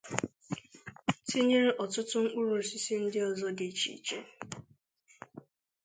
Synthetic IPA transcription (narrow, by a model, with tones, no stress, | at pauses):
ti˦ɲe˦ɾe˦ʔɔ˨tʊ˦tʊ˦ŋ̩˦k͡pu˦ɾu˨si˦si˦n̩˦dɪ˦ɔ˨zɔ˦ɡe˨t͡ʃḭ˨t͡ʃe˦